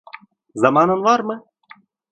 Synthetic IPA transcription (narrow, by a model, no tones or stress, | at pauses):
zɑmɑnɤ̆nvɑrmɤ̆